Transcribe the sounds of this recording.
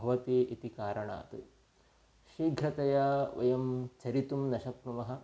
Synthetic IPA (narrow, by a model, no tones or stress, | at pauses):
bʱɐʋɐt̪iːʔit̪ikaːɾɐɳa̰ːt̪ɨ | ʃɾiːɡʱɾɐt̪ɐjaːʋɐ̰jɐmt͡ʃɐɾit̪umnɐʃɐpnɐmɐɦɐ̆